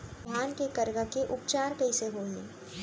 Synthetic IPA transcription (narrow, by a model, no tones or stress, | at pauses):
bʱaːnkekɐɾɡakeʔʊpt͡ʃaːɾkəiseɦoːleː